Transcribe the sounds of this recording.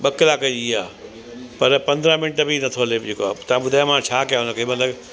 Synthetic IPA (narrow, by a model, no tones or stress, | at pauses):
ɓɐkɪlaːkəiaː | pɐɾpɐ̃nd̪ɾə̃mɪnʈəbinɐt̪ʰoled͡ʑekoat̪ɐ̤ãɓʊd̪ʱaːjomãt͡ɕʰaːkijaɦʊnəkʰemɐt̪ləɡ